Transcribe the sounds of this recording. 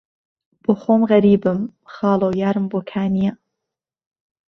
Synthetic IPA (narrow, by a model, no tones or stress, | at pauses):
b̥oːxoːmɣɐɾiːbɨmxɑːlˠoːwjaːɾɨmboːkʰaːniɛ